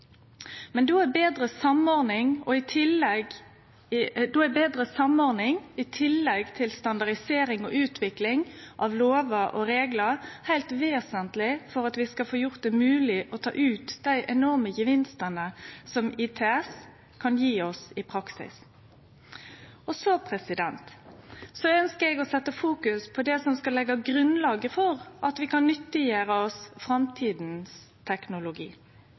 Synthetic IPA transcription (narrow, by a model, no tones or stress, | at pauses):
mɛnd̪oːæbeːd̪ɾəsɑmɔɾnɪŋɔɪt̪ʰɪlɛɡ | d̪oːæbeːd̪ɾəsɑmɔɾnɪŋɪt̪ʰɪlːɛɡt̪ʰɪlst̪ɑnd̪ɑʁɖɪseːɾɪŋɔ̰ʔʉːt̪ʰʋɪklɪŋʔɑʋloːʋəʔɔ̰ɾeːɡləɾhæɪlt̪ʋeːsənt̪lɪfɔɾɑt̪ʋɪskɑlfoːjʊʁt̪̚d̪ɛmʉːlɪʔɔt̪ʰɑ̰ːʔʉːt̪d̪æɪʔɛnɔʁməjəʋɪnst̪ənəsɔmɪt̪ʰɛɛs | kʰɑnjiːɔsɪpʰɾɑksɪ̰s | ɔsɔpʰɾɛsɪd̪ɛnt̪sɔœnskəɾɛɡɔsɛt̪ːəfuːkʉspʰɔd̪ɛsɔmskɑlɛɡːɑɡɾʉnlɑːɡəfɔʁʔɑt̪ʋɪkɑnːʏt̪ːəjeːɾəɔsfʁɑmt̪ʰiːd̪n̩s | t̪ʰɛknʊlʊɡḭː